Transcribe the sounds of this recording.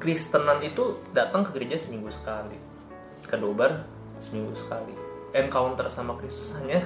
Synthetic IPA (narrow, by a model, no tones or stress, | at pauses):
kɾist̪ənanit̪udat̪aŋkəɡəɾed͡ʒasəmiŋɡusə̥kali | kədobər | səmiŋɡusə̥ka̰lḭɛnkaʊnt̪ərsamakɾist̪u̥saɲa